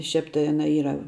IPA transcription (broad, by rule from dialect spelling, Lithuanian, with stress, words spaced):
ˈʃʲɛp tɐɪ ˈɑːnɐ ˈiːrɐ